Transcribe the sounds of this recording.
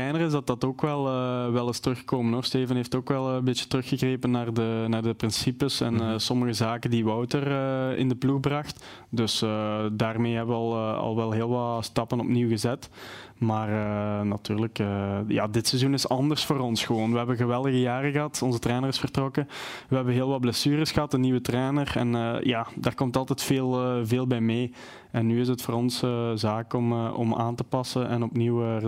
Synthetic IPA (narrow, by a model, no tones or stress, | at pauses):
trɛːnərɪzdɑt̚dɑtoːkʋɛlˠəʋɛlˠɪstərɵxə̥koːmənoχsteːvənɦeftoːkʋɛlˠəmbɪt͡ʃjə̥tərɵxəɣreːpənːaːrdənaːrdəprɪnsipəsɛ̰nːsɔməɣəzaːkəndiʋɔwtərəɪ̰ndəpluxbrɑxt | dɵsədaːrmeːɦɛbəʋəɑlˠɑ̰lˠʋɛlˠɦeːlˠʋɑtstɑpənɔpniwɣəzɛt | maːrənɑtyːrləkəːja̰ːdɪtsɛzunɪsɑndərsfoːɾɔnsxəʋoːnʋəɦɛbəɣəʋɛlˠdəɣəjaːrəɣəɦɑtɔnzətrɛːnərɪsfərtrɔkəʋəɦɛbənɦeːlˠʋɑt̚blɛsyːɾəsxəɦɑtənːiwətrɛːnərɛ̰nəːjaːdaːrkɔmtɑlˠtɛtfeːlˠveːlˠbɛjmeː | ɛnːyːɪs̬ətfoːrɔnsəzaːkɔmːɔ̰ma̰ːntəpɑsənɛnɔpniw